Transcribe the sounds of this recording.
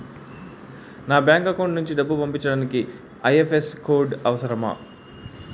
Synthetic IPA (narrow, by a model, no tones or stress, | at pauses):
naːbjaːŋkɐkoːɳɖnuɲt͡ʃid̪ɐbːupɐmpiɲt͡ʃːɐɽaːniki | ɐjefeskoːɖɐʋɐsɐɾɐmɐ̰